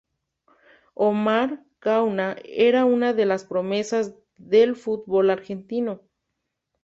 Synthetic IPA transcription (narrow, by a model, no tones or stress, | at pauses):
omaɾ | kawnaeɾaunaðe̞laspɾomesaz | ðelfut̪̚bolaɾxent̪ino̞